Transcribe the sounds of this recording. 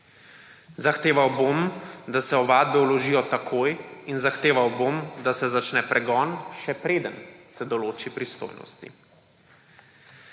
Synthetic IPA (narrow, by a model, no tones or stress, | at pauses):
zaxt̪eːʋawbomd̪asɛɔʋaːd̪̚bɛulɔʒijɔt̪akʰoːjinzaxt̪eːʋawbomd̪asɛzat͡ʃnɛpɾʔɛɡɔnʃɛpɾeːd̪ənsɛd̪ɔloːt͡ʃipɾist̪o̰ːjnɔ̰st̪ḭ